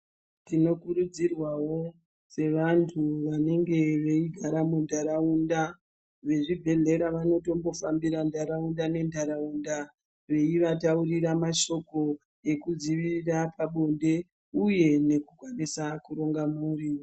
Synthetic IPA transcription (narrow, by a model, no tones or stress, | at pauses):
tino̞kuɾud͡zirwawo̞ | se̞ʋantʰuʋane̞ŋɡe̞ʋe̞iɡʱaɾamundʱaɾaunda | ʋe̞ʐibʱe̞ɮe̞ɾaʋano̞to̞mbo̞fambiɾandʱaɾaundane̞ndʱaɾaunda | ʋe̞iʋatauriɾamaʃo̞ko̞ | e̞kud͡ziʋiirapaɓo̞nde̞ | uje̞ne̞kuɡʱwanisakuɾo̞ŋɡamuuriːo